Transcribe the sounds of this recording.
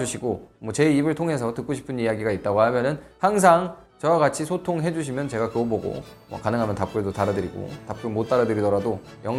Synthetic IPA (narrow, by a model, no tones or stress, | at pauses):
uɕʰiɡomwʌt͡ɕe̞ibɯɭtʰoŋɦe̞s̬ʰʌtɯk͈oɕʰi̥pʰɯnijaɡiɡait̚t͈aɡoɦamjʌnɯnhaŋs̬ʰaŋ | t͡ɕʌwaɡat͡ɕʰisʰotʰoŋɦe̞d͡ʑuɕʰimjʌnt͡ɕe̞ɡakjoboɡo̰mwʌ̰kanɯŋɦamjʌntap̚k͈ɯedotaɾadɯɾiɡo̰tap̚k͈ɯmot͈aɾadɯɾidʌɾado | jʌŋ